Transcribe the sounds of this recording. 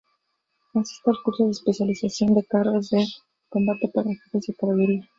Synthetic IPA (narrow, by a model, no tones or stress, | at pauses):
konsi̥st̪ealkuɾsoðespesjalizasjond̪ekaɾaze | kombat̪et̪arefit̪ezekaβaðuɾia